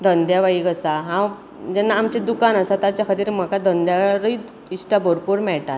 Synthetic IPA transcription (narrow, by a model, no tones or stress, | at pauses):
d̪ʱənd̪jaʋaiɡəsaɦã | d͡ʑɛnːaːmt͡ɕed̪ukanəsat̪at͡ɕjakʰət̪iːɾm̤əkad̪ʱənd̪jaɾəi | isʈaboɾpuɾmɛɭʈat̪